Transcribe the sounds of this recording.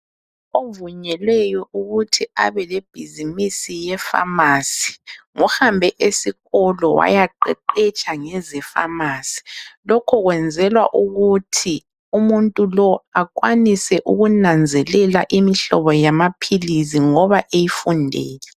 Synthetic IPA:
ovuɲɛlwɛjɔuɣutʰia̰βɛleb̥ʱizimisijɛfa̰maːsi̥ŋɔhambʱɛʔesiɣɔlɔwa̰jaǃɛǃɛt͡ʃʼaŋɛzɛfa̰maːsi̥lɔkʰɔɣwɛnd͡zʱɛlwa̰ʔuɣutʰi | umuntʼulɔakwanisɛʔuɣunand͡zʱɛlɛlaʔimiɬɔβɔjamapʰiliziŋɔβaʔejifundʱɛ̰ːlɛ

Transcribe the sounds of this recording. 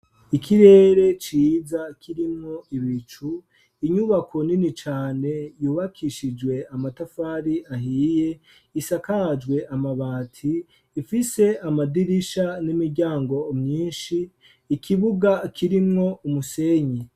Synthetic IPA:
ikʰiɾe̞ːɾe̞t͡ʃiːzakʰiɾimŋo̞iβit͡ʃu | iɲuβakʰo̞ninit͡ʃaːne̞juːβakʰiʃid͡ʒɡwe̞amatafaːɾiʔaɦiːje̞ | isakad͡ʒɡwe̞ʔamaβaːtʰiː | fise̞amadiɾiʃanimiɾɟaːŋɡo̞mɲiːnʃiː | kʰiβuɡakʰiɾimŋo̞umuse̞ɲi

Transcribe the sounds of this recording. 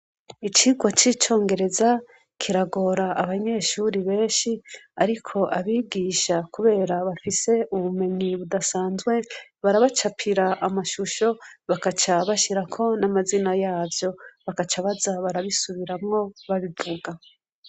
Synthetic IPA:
it͡ʃiɡwat͡ʃit͡ʃo̞ːŋɡe̞ɾe̞za | kʰiɾaɡo̞ɾaːβaɲe̞ʃuːɾiβe̞ːnʃiaɾikʰo̞ʔaβiːɡiːʃakuβe̞ːɾaβafise̞uβume̞ɲiβudasaːnzɡwe̞βaɾaβat͡ʃapʰiɾaʔamaʃuʃo̞βakat͡ʃaβaʃiɾakʰo̞namazinajaːvjo̞βakat͡ʃaβazaβaɾaβisuβiɾamŋo̞βaβivuɡa

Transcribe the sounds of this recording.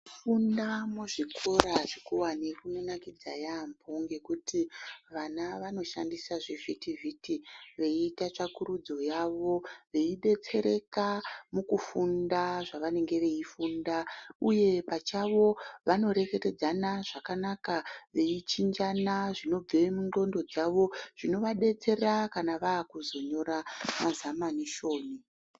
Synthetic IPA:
fundamuʐikʰoɾaʐikuwanikuno̞nakid͡za̰jamboŋɡe̞kutiʋanaʋano̞ʃa̰ndisaʐevitivitiʋeiːtat͡ʂakuɾud͡zo̞jaʋo̞ʋe̞iɗe̞t͡se̞ɾe̞kamukufundaʐaʋane̞ŋɡe̞ʋe̞ifundauje̞pat͡ʃaʋo̞ʋano̞ɾe̞ke̞te̞d͡zanaʐ̥akanakaʋe̞it͡ʃind͡ʒanaʐino̞b͡vemuŋɡo̞ndo̞d͡zaʋo̞ʐ̥ino̞ʋaɗe̞t͡se̞rakanaʋaːkuzo̞ɲo̞ɾamazamaniʃo̞ːni

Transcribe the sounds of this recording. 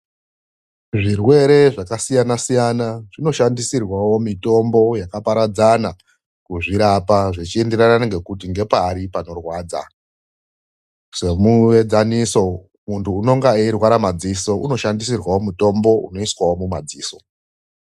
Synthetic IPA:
ʐirwe̞ɾe̞ʐakasijanasijanaʐ̥ino̞ʃandisirwawo̞mito̞mbo̞jakapaɾad͡zana | kuʐiɾapaʐet͡ʃiendeɾananaŋɡe̞kutiŋɡe̞paːɾipano̞rwaːd͡za̰ | se̞mue̞d͡zaniso̞ | muntʰuːno̞ŋɡaeirwaɾamad͡ziso̞uno̞ʃandisirwawo̞muto̞mbo̞ṵno̞iswawo̞mumad͡ziːso̞

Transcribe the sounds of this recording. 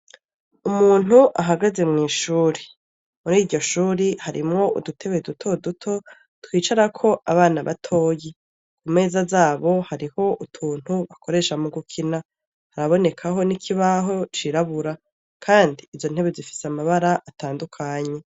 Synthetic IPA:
umuːn̥uʔaɦaɡaze̞mŋiːʃuːɾe | muɾiːɾɟo̞ʃuːɾihaɾḭmŋo̞ṵdutʰe̞βedutʰo̞dutʰo̞ | twiːt͡ʃaɾakʰo̞ʔaβaːnaβa̰tʰo̞ːji | kume̞ːzazaːβo̞haɾiho̞utʰuːn̥huβako̞ɾe̞ʃamuɡukʰina | haɾaβo̞ne̞kʰaɦo̞nikʰiβaɦo̞t͡ʃiɾaβuɾa | kʰaːndiːzo̞n̥e̞βezifi̥samaβaɾaʔataːndukʰaɲe̞

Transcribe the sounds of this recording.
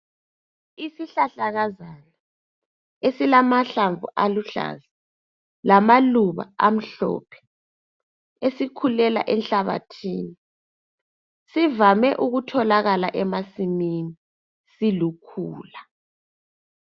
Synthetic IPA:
isiɬaɬaɣazana | esilamaɬaɱvṵʔaluɬa̰ːzi | lamaluβa̰am̩ɬɔ̰ːpʰɛ̥ | esikʰulɛla̰ʔɛnɬaβa̰tʰiːni | sivamɛʔuɣutʰɔlaɣalaʔɛmasimini | silukʰṵːla

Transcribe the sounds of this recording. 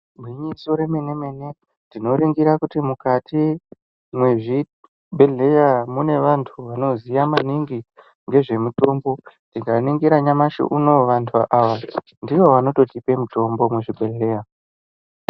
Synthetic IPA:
bʱwiɲiso̞ɾe̞mene̞me̞ne̞ | ndino̞ɾiŋɡiɾakutimukatʰi | mwe̞ʐi | bʱele̞jamune̞ʋantʰuʋano̞zijamaniŋɡi | ŋɡe̞ʐe̞muto̞mbo̞ | tikaniŋɡiɾaɲamaʃḭʔuno̞ʋantʰuaʔaʋa | ndiʋo̞ʋano̞to̞tipe̞muto̞mbo̞mweʐibʱeleja

